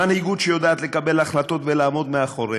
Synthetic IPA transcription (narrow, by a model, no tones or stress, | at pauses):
anhiɡud̪ʃejo̞d̪aːt̪lekabe̞laχlat̪o̞t̪velaːmo̞d̪meaχoʁe